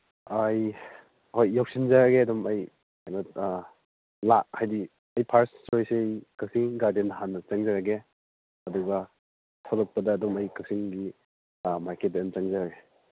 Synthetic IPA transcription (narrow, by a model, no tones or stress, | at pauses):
ɐj | hojːawk̚sinzaɾɐɡeɐdumɐj | ajnɐ | lahajdi | ɐjpʰaɾstojseɐjkasiŋɡaɾdenɦanːɐt͡ʃaŋzaɾaɡe | ɐduɡɐ | tʰaɾɔk̚pɐdɐːdumɐjkasiŋɡi | maɾket̚bent͡ʃaŋzaɾaɡe